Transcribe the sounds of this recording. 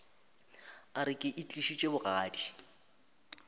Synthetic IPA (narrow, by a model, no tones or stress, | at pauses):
aɾɪkʼɪʔit͡ɬʼiʃit͡ʃʼebʊɣaːdi